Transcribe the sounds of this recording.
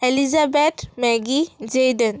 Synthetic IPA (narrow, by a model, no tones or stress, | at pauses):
elizabet̪mɛɡid͡ʑejd̪ən